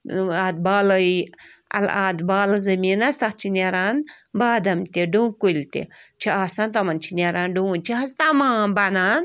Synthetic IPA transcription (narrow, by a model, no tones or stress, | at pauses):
aːd̪̚baːlɐiɐ̰lad̪baːlɐzɐmiːnɐst̪ɐkt͡ʃʰinʲeɾaːn | baːd̪ɐmt̪ʲiɖũkulʲt̪ʲḛt͡ʃʰiaːsãnt̪ɐmɐnt͡ʃʰinʲeɾaːnɖuːnt͡ʃʰiɦɐzt̪amaːnbanaːn